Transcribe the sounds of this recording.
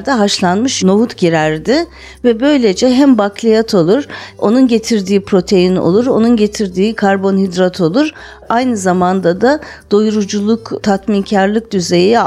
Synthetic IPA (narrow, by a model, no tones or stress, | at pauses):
d̪ɛɦaʃlˠanmɯʃno̞ɦut̪ɟiɾæɾd̪ɪ | vɛbø̞jlʲe̞d͡ʒɛɦæmbaklʲˠijat̪ʰo̞lˠuɾ̥o̞̰nunɟe̞t̪ʰiɾd̪iːpɾo̞t̪ʰe̞jino̰lˠuɾo̞̰nunɟe̞t̪ʰiɾd̪iːkʰaɾbo̞nɦid̪ɾat̪ʰo̞lˠuɾ | ajnɯzamand̪ad̪ad̪̥ojuɾud͡ʒulˠukt̪ʰat̪mincʰaɾlˠɯk̚d̪yze̞ji